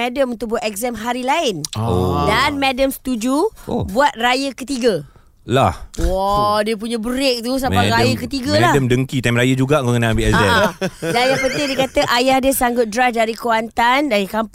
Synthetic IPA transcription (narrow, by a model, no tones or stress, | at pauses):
ɛdəmunt̪ʊk̚buat̪ɛk̚zɛmɦaɾilaɪndanmɛdəmst̪ud͡ʒuo̰buat̪̚rajəkət̪iɡə | lahwadiəp̬uɲãbəɾɪk̚t̪us̬apaɾajəkət̪iɡəlahəmdəŋkit̪amɾajəd͡ʒuɡaʔŋoŋənaambiʔɛkzɛdanjapənt̪ɪŋdikat̪əʔajahdiəsaŋɡʊt̪̚dɾasdaɾikowant̪andajakamp